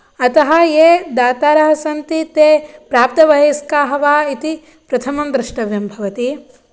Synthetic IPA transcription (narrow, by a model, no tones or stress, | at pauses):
ɐt̪ɐɦɐjeːd̪aːt̪aːɾɐɦɐsɐnt̪it̪eːpɾaːp̚t̪ɐʋɐɦeːskaːɦɐʋaːit̪i | pɾɐt̪ʰɐmɐmd̪ɾɪʂʈɐʋjɐmbʱɐʋɐt̪i